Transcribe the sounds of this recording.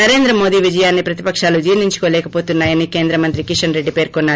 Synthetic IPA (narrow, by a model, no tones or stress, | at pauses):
ɐɾe̞ːnd̪ɾɐmo̞ːd̪iːʋid͡ʒɐjaːnːipɾɐt̪i̥pɐkʂaːlud͡ʒiːɾniɲt͡ʃu̥ko̞ːlɛːkɐpo̞ːt̪unːaːjɐnike̞ːnd̪ɾɐmɐnt̪ɾikiʂɐnɾe̞ɖːipe̞ːɾkɔnːaː